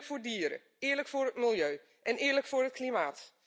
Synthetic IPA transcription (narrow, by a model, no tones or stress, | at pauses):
kfʊːɹdiəɾə̰ | ɪːəɹləkfʊːrɦətmɪlˠjøː | ʔɛnɪːrləkfʊːrɦət̚kʰlimaːt